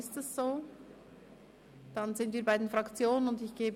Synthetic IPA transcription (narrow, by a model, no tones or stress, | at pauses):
ɪstɛsz̥oː | d̥anzɪntv̥iːɐbaɪdenfʁ̥ɑkt͡sjoːnənʊndɪçɡ̥eːb